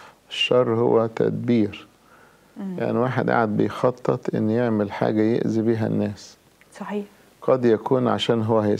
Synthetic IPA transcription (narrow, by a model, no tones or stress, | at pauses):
ʔeʃːɑrˤːhowːæt̪ʰæ̰d̪biːɾ | ja̰ʕniwaːħed̪ʔa̰ʕad̪̚bejxɑt̪ˤːet̪ˤʔḛnːjeʕmelħa̰ːɡæjḛʔzibiːɦæ̰nːæːs | ɑ | qɑd̪jækuːnʕa̰ʃæːnɦowːæɦ